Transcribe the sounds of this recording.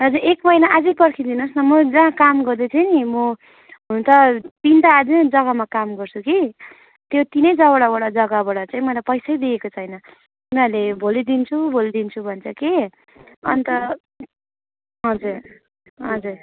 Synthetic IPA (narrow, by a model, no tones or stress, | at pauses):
ɦʌd͡ziekmʌjnaʔad͡zʌjpʌrkʰid̪inusnʌmʌd͡zããkamɡʌɾd̪et͡sʰajnimʌ | ɦununt̪ʌpint̪aːd͡zid͡zʌɡamakamɡʌrt͡sʰuki | t̪jot̪inʌjd͡zʌβaɽabaɽʌd͡zʌɡabaɽat͡saĩmʌlajpʌjsʌjd̪iekot͡sʰʌjnʌ | unarlebʱolid̪int͡sʰubʱolid̪int͡sʰubʱʌnt͡sʰʌke | ʌ̰nt̪ʌ | ɦʌd͡zuɾ | ɦʌd͡zur